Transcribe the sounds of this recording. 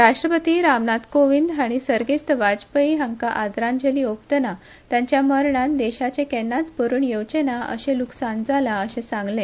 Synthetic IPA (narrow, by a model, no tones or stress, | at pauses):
ɾaʂʈɾəpət̪iɾamnat̪koʋind̪aɽ̃isəɾɡest̪əʋad͡zpəiɦə̃ŋkaʔad̪ɾãnd͡ʑəliokt̪əna | t̪jãɲt͡ɕjaməɾɳãnd̪eɕat͡ɕẽkɛnːat͡spəɾuːnjəwt͡ɕenaə̰ɕẽluksand͡zalaəɕẽsãŋɡlẽ